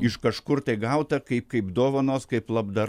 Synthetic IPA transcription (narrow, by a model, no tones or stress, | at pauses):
ɪʃkɐʃkʊrt̪ɐɪɡɐʊt̪ɐkɐɪp̚kɐɪpd̪oːʋɐnoːskɐɪplˠɐbd̪ɐ